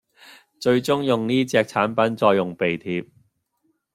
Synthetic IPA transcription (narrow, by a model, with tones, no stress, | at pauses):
t͡ʃɵ˧ɥt͡sʊ˥ŋjʊ˨ŋniː˥t͡sɛː˧k̚t͡sʰaː˨˥npɐ˨˥nt͡ʃɔː˧jːʊ˨˩ŋpe˨˩jt̪ʰiː˧p̚